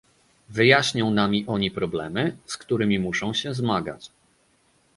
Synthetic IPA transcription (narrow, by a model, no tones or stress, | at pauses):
vɘjaɕɲɔ̃w̃namʲiʔɔɲipɾɔblɛmɘskt̪uɾɘmʲimuʂɔ̃w̃ɕɛzmaɡa̰t͡ɕ